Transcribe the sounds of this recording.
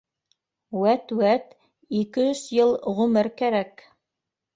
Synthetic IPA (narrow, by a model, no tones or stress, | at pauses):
wæt̪wæt̪ | ikɘɵzjɤlˠʁɵmɘɾkæɾæk